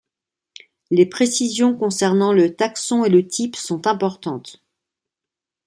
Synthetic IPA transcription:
lepχesizjɔ̃kɔ̃sɛʁnɑ̃lət̪aksɔ̃elət̪ʰipsɔ̃t̪ɛ̃pɔʁt̪ɑ̃t̪

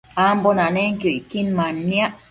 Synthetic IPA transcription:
ambonaneŋkioikinmanːia

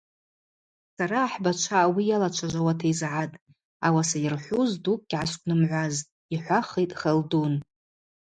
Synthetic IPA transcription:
saɾaːħbat͡ʃʷʰawijalat͡ʃʷʰaʒʷawatʰajzʕatʼ | awasajɪrħʷuzdukʼɡʲʕaʃkʷʼnɨmʕʷaztʼ | iħʷaχejtʼχaldun

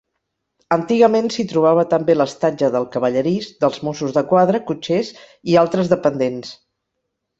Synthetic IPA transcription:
ənt̪iɣəmensit̪ɾuβ̞aβ̞ət̪əmbeləst̪ad͡ʒəðəlˠkəβəʎəɾizd̪əlˠzmosuzðəkwaðɾəkut͡ʃez | ialˠt̪ɾəzðəpənd̪ens

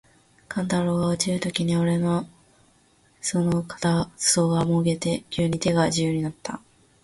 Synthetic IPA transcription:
kʰãnt̪aɾo̞ɡaot͡ɕiɾɯ̟t̪o̞kʲiɲ̟io̞ɾe̞no̞ | so̞no̞kḁt̪aso̞ːɡamo̞ɯɡe̞t̪e̞kʲʰɨːɲ̟it̪e̞ɡaʑɨjɯɲ̟inat̪ːa̰

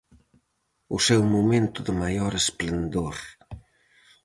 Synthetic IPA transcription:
ʊsɛwmumẽnt̪ʊðəmajɔɾesplend̪oɾ

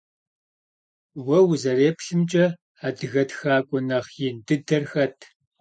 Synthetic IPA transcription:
wɐwzɐreːpʰɬɨmt͡ʃʼɐ | aːdɨɣɐtxaːkʷʼɔnɐχjɪndɨdɐrxɐtʰ

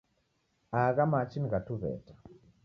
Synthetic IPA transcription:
aɡamat͡ʃinɡatuβɛ̰tḁ

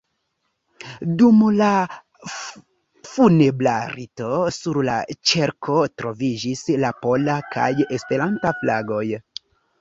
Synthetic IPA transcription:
dumla | funeblaɾito̞suɾla̰t͡ʃe̞ɾkʰo̞tɾo̞vid͡ʒislapo̞laka̰jespe̞ɾantaflaɡo̞j

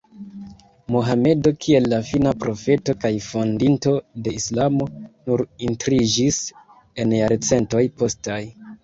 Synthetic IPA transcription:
moɦame̞do̞kʰie̞lːafinapɾo̞fe̞to̞kajfo̞ndinto̞de̞islamo̞nuɾintɾid͡ʒis | e̞njaɾt͡se̞nto̞jpo̞staj

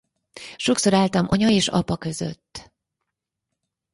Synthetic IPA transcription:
ʃo̞kso̞ɾaːlt̪ɒmʔɒɲɒeːʃɒ̰pɒkø̞zø̞̰t̪ː

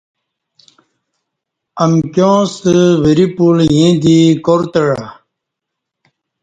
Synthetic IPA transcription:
ɐmkjõːsəwiɾipuljẽd̪ikoɾt̪əɽa

